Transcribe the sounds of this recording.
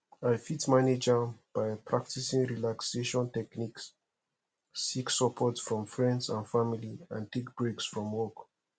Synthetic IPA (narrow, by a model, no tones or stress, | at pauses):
aɪfitmaned͡ʒab̥aɪpʰɹak̚tisĩŋɹilakseʃɔ̃ntɛkniks | iksɔpʰɔtsfɹɔ̃mfɹɛ̃ndsãnfamiliãntʰek̚b̥ɹeksfɹɔ̃mwɔk